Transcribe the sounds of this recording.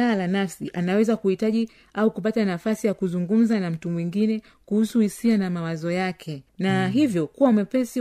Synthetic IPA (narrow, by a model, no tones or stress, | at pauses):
alanafsiʔanawɛzakuhitaʄi | aukup̬atanafasijakuzuŋɡum̩zanam̩tumwiŋɡinɛ | kuhusuhisianamawazɔjakʰɛnaɦivjɔkuwamɛpɛsi